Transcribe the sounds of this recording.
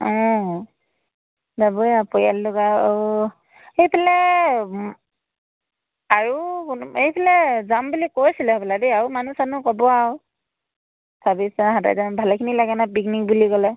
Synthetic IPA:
ɔ̃ | zabɔjapɔjallʊɡaau | hejpʰɛlɛ | aɹuknejpʰɛlɛzambulikojsilɛɔpʰɛladiaɹumanusanukɔbɔaʊ | sʰabisaɦada̰jzanbʱalɛkʰinilaɡɛnapikniŋ̚buliɡɔlɛ

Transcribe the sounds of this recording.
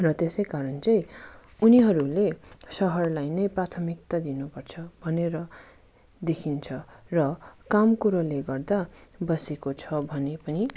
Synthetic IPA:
rʌt̪esʌjkaɾʌnt͡sʌj̃uniɦʌɾulesʌɦʌrlajnʌjprat̪ʰʌmik̚t̪ʌd̪inupʌrt͡sʰʌbʱʌneɾʌ | d̪ekʰint͡sʰʌrʌkamkuɾoleɡʌrd̪abʌsekot͡sʰʌbʱʌnepʌni

